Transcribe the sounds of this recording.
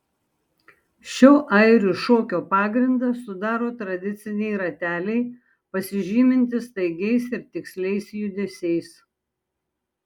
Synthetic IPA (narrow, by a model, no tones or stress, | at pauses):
ʃʲɛʊʔɐˑɪɾʲuˑʃoːkʲoːpɑːɡɾʲɪnd̪ɐsʊd̪ɑːɾoːt̪ɾɐd̪ʲɪt̪sʲɪnʲɛɪɾɐt̪ʲæːlʲɛɪ | pɐsʲɪʒʲiːmʲɪnʲt̪ʲɪst̪ɐɪɡʲɛɪsɪɾt̪ʲɪksʲlʲɛɪsjʊd̪ʲesʲɛɪs